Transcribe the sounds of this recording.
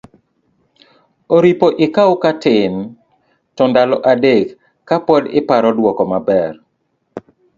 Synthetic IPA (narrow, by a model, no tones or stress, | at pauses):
oɾipoʔɪkaokatɪn | tɔndalɔʔadekː | apwɔdɪ̰paɾɔdwɔkɔmabɛr